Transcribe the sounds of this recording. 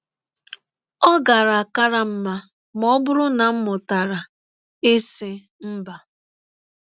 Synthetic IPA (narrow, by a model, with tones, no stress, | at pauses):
ɔ˦ɡa˨ɾa˨a˨ka˦ɾa˨m̩˦ma˦ | m˦ɔ˦bʊ˦ɾʊ˦na˨m̩˦mʊ˨ta˨ɾa˨ | e˦sɪ˦ | m̩˦ba˨